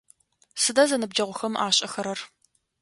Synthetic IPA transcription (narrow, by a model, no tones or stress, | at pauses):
sɨdazɐnɨb̚d͡ʒɐʁʷʊxɐmʔaːɕʼɐxɐɾɐr